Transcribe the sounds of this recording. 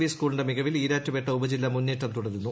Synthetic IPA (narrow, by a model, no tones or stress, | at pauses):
ʋiskuːlɳɖemiɣɐʋiliːɾaːtːupeʈːɐubɐd͡ʑilːɐmunːiːʈːɐmt̪uɽɐðunːu